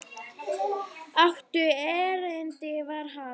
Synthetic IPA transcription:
aft̪ʏɛːɾɛnt̪ɪvaɾ̥ɦa

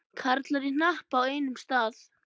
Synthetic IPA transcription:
kʰaɾt̪laɾin̥ahpaweːjnʏmst̪aːθ

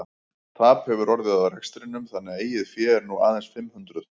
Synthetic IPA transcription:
t̪ʰaːphɛvʏɾɔɾðɪðaðrɛkst̪ɾɪnːʏmθanːɛaeːjɪðfjɛːɾnua̰ːðɛnsfɪmːhʏnt̪ɾʏð

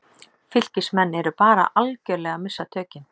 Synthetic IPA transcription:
fɪl̥cɪsmɛnːɛɾʏpaːɾa̰ʔalcœːɾlɛɣamɪsːat̪ʰœːcɪn

